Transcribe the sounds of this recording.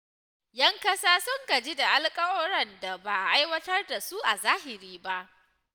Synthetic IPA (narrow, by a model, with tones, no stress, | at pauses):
jɐ˦ŋkɐ˦saː˦sʊ˦ŋɡɐ˨d͡ʒi˦da˨ʔa˦lkʼɐ˦wɐ˦ɾɐ˦nda˨baː˨ʔa˨ʔa˦jwɐ˦tɐ˦rda˨su˦ʔa˨zaː˦ɦɪ˨ɾiː˦ba˦ʔ